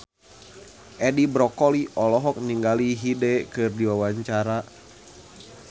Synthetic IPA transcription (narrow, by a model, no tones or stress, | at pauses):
ʔɛdibɾɔkɔliʔɔlɔɦɔk̚niŋɡaliɦidɛkɨrdiwawaɲt͡ʃaɾa